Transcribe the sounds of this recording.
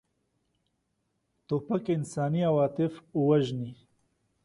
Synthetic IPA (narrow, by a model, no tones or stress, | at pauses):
t̪opakɪnsɑːniawɑt̪ɪfuwaʒni